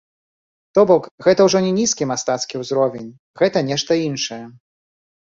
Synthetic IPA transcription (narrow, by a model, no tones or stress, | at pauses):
t̪ɔbɔkɣɛt̪ɐwʐɔnʲɛnʲiskʲimast̪at̪skʲiwzɾɔvʲenʲ | ɣɛt̪ɐnʲɛʂt̪ɐinʂɐjɛ